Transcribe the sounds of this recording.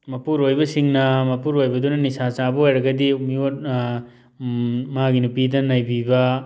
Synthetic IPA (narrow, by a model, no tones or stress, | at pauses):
mɐpuɾojbɐsiŋnɐmɐpuɾojbɐdunɐnisat͡ʃabɐojɾɐɡɐdiumiot̚ | maɡinupidɐnɐjbibɐ